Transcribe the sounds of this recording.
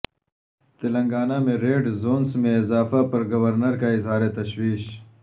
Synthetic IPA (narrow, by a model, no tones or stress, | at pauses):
t̪ɪlɐŋɡaːnameɾeːɖzoːnsmeːzɑːfapɐɾɡɐwɐɾnɐɾkaɪzɦɑːɾet̪ɐɕwiːʃ